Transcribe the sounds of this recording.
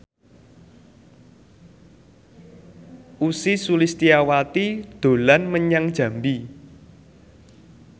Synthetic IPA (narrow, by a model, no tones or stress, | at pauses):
ʔusisulist̪iawat̪id̪̥o̤lanməɲaŋd̥ʒ̥ä̤mbi